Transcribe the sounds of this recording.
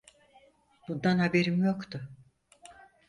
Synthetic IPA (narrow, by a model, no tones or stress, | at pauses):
b̥und̪anhabeɾimjo̞kt̪ʰʊ